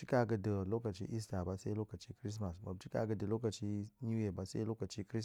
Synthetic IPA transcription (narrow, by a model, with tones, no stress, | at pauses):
t͡ʃi˦ka˦˨ɡə˦də˨lo˦ka˨t͡ʃḭ˦ʔi˦s̬ta˨ba˦sa˦i˦lo˦ka˨t͡ʃi˦kɾi˦s̬ma˨sma̰˨b̚t͡ʃi˦ka̰˨ɡə˨də˨lo˦ka˨t͡ʃi˦nu˦je˨ba˦sa˦i˦lo˦ka˨t͡ʃi˦kɾi˦s